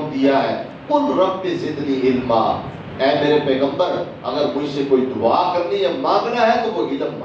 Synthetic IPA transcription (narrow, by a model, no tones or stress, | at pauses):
d̪ɪjaːɦɛː | kʊnɾəbːeːsɪ̃nd̪niːɪlmaː | ɛːmeːɾeːpɛːɡəmbəɾ | əɡəɾmʊ̃ĩseːkoːiːd̪ʊaːkəɾniːɦɛːmãːbɪnaːɦɛːt̪oːɦoːɡiːd̪əmːã